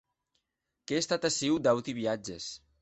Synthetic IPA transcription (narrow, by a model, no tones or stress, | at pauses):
keːst̪at̪asiwd̪awt̪iβiad͡ʒes